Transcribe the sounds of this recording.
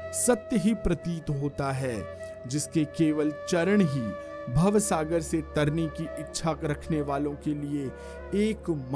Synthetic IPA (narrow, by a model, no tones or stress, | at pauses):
sɐt̪jəɦipɾɐt̪iːt̪ɦoːt̪aɦɛː | d͡ʒɪskekeːʋəlt͡ʃɐɾəɽ̃ɦi | bʱɐʋsaːɡəɾset̪ɐɾnikiɪtːʃʰaɾɐkʰneʋaːlõkelie | eːkm